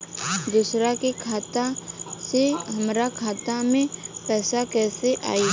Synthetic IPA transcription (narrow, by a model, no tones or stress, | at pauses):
d̪usɾakekʰaːt̪aseɦəmɾakʰaːt̪amẽpɛːsakɛːseʔa̰ːiː